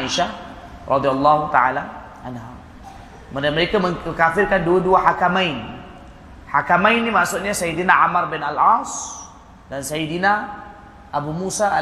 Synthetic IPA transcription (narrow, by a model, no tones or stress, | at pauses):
iʃa | rʔɑd̪ialːaɦut̪aala | ʔanɦa̰ | məməɾekaməŋkafɪrkanduaduaħakamajn | ħakamajnːimaʔsʊʔ̪̚ɲasajidinaʕamarbɪnalas | dansajidina | ʔabumusaa